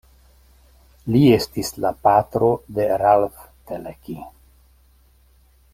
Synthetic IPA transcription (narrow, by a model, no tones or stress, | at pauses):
lie̞stislapatɾo̞deɾalfteleki